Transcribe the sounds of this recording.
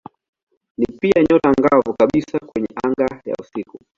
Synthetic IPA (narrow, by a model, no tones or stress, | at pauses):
nipiaɲɔtaŋɡavukaɓisakwɛɲɛʔaŋɡaja̰usiku